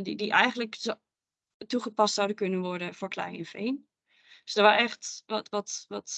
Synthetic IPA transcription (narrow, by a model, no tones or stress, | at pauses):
didiʔɛjɣəndlək | tuχəpastsawdənkønənʋɔɹdəfoɹkʰlɛ̰jɪnfeːn | dsd̥ɔʋarɛxtʋɔtʋɔtʋɔt